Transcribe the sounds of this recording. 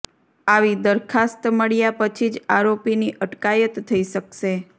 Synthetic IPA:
aʋid̪əɾkʰast̪məɽjapət͡ʃʰid͡ʒaɾopiniʔəʈkajət̪ʰːəiʃəkʃe

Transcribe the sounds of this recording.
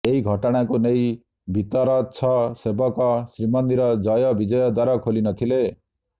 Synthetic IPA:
eiɡʱʌʈɔɽ̃akonej | bʱit̪ɔɾʌt͡sʰʌsebʌkɔsɾimʌnd̪iɾʌd͡zʌjɔbid͡ʒʌjʌd̪waɾɔkʰolinʌt̪ʰile

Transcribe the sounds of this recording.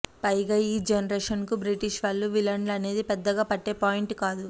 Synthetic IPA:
pɐjɡɐiːd͡ʒenɐɾeːʂɐnkubɾiʈiʃʋɐlːuʋilɐɳɖlɐne̞ːd̪ipɛd̪ːɐɡaːpɐʈːe̞ːpaːjiɳʈkaːd̪u

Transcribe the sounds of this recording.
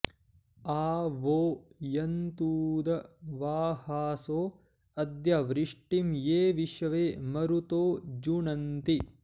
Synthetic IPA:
aːʋoːjɐnt̪uːd̪ɐʋaːhaːsoː | ɐd̪jɐʋɾiʂʈimjeːʋiʃɐʋeːmɐɾut̪oːd͡ʒuɳɐnt̪i

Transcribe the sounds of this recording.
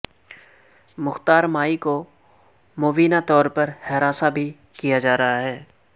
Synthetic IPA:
mʊxt̪aːɾmaːiko | moːbiːnat̪ɔːɾpɐɾhɛɾaːsabʱi | kijad͡ʒaːɾɐɦaɦɛː

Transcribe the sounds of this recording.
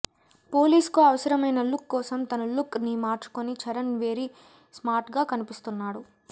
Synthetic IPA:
po̞ːliːskuɐʋɐsɐɾɐmɐjnɐlukːɔːsɐmt̪ɐnulukːnimaːɾt͡ʃu̥konit͡ʃɐɾɐnʋeːɾi | smaːɾʈɡaːkɐnipist̪unːaːɽu

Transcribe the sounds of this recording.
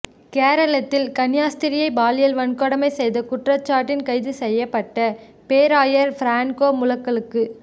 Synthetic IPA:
keːɾɐɭɐt̪ːɪlkɐnɪjaːst̪ɪɾɪjɐɪbaːlɪjɐlʋɐɳkɔɽɐmɐɪsɛjðɐkʊʈrɐt͡ʃːaːʈːɪnkɐɪðɯsɛjːɐpːɐʈːɐ | peːɾaːjɐɾfɾaːɳkoːmʊlɐkːɐɭɯkːɯ

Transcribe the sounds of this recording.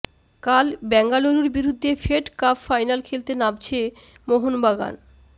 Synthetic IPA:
kalbɛŋɡaloɾuɾbiɾud̪ʱːefeʈkafːajnalkʰelt̪enabt͡ɕʰe | moɦonbaɡa̰n

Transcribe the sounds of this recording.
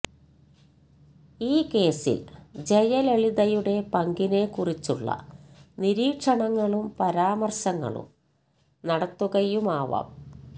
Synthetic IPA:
iːke̞ːsḭld͡ʑɐjɐleɭiðɐjuɽe̞pɐŋɡine̞kurit͡ɕːuɭːɐ̰niɾiːkʂɐɳɐŋːɐɭumpɐɾaːmɐrsɐŋːɐ̰ɭṵm | nɐɽɐt̪ːuɣɐjumaːʋɐ̰ːm

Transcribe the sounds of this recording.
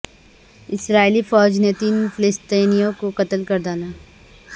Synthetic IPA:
ɪsɾaːilifɔːd͡ʒnet̪iːnfʰɪlɪst̪iːnijõkoqɐt̪əlkɐɾd̪aːlaː

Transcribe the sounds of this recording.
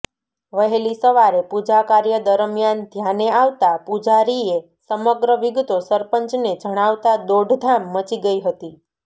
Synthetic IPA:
ʋəɦelisəʋaɾepud͡ʒakaɾjəd̪əɾmjand̪ʱjaneaʋt̪apud͡ʒaɾie | səməɡɾəʋiɡt̪osəɾpəɲt͡ʃned͡ʒəɽ̃aʋt̪ad̪oɖʱd̪ʱamːət͡ʃiɡəiɦət̪i

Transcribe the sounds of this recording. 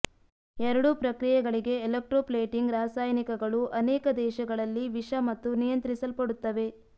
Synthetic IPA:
ɛɾɐɽupɾɐkɾijɛɡɐɭiɡe̞ːlek̚ʈɾoːpleːʈiŋɡɾaːsaːjnikɐɡɐɭuʔɐnɛːkɐd̪ɛːʃɐɡɐɭɐlːiʋiʂɐmɐt̪ːunijɐnt̪ɾisɐlpɐɽut̪ːɐʋe̞

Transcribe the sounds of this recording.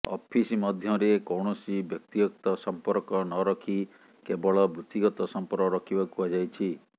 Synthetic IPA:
ɔ̰pʰisimɔd̪ʱjɔɾekɔwɳɔsibjɔk̚t̪iɡɔkt̪ɔsɔmpɔɾkɔnɔɾɔkʰi | kebɔɭɔbɾut̪iɡɔt̪ɔsɔmpɔɾkɔɾɔkʰibakuad͡ʒajt͡ʃʰi

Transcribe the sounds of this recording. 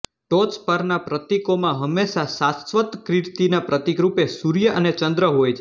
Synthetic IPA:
ʈot̪spəɾnapɾət̪ikomãɦəmːeʃasasʋət̪kɾɪɾt̪inapɾət̪ikɾupesuɾjəʔənet͡ʃənd̪ɾəɦojt͡ʃʰe

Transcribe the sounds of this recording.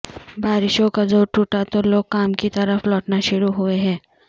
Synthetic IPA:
baːɾɪʃõkazoːɾʈuːʈat̪oloːɡ̚kaːmkit̪ɐɾəflɔːʈnaʃʊɾuɦʊeɦɛ̃ː

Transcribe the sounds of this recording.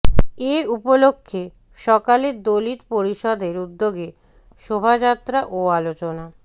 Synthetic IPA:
eupolokʰːe | ʃɔkaleɾd̪olit̪poɾiʃɔd̪eɾud̪ːoɡe | ʃobʱad͡ʑat̪ːɾaʔoalot͡ɕona

